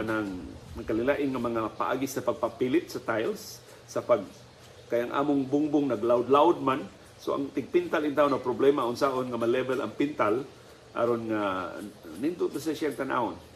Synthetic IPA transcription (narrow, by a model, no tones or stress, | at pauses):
anaŋmakaliŋlaʔɪnŋamaŋapa̰ʔa̰ɡisapaɡ̚papilɪt̪̚sat̪ajls | sapaɡ | kajaŋʔa̰ːmʊŋbʊŋbʊŋnaɡlawd̪lawd̪̚man | soa̰ŋt̪ɪɡ̚pint̪alɪnt̪̬aːʊnawpɾoblɛmaʊnsaʔonŋamalɛbɛla̰ŋpint̪al | ʔa̰ɾonŋa | nint̪ʊt̪asasɛnt̪anʔa̰ʊn